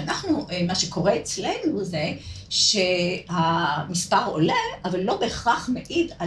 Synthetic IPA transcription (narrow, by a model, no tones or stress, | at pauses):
anaχnumaʃeko̞ʁeet͡slenuze̞ʃehamispaʁo̰leavalːo̞beχaχmeʔid̪a